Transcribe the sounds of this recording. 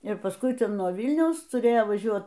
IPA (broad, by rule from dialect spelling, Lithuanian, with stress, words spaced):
ɪr pɐsˈkʊɪ nuɔ ˈʋʲɪlʲnʲɛʊs tʊˈrʲeːjoː ʋɐˈʒʲuɔt